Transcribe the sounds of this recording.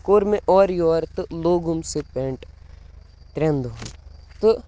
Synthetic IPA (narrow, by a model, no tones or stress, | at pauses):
koːɾmẽʔɔːɾjoːɾt̪ɨloːɡumsepeɳʈ | t̪ɾẽnd̪ut̪ɨ